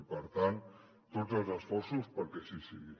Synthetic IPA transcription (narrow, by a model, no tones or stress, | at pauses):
pəɾt̪ant̪ | t̪ːozəlˠzəsfɔɾsuspəɾkɛsisiɣi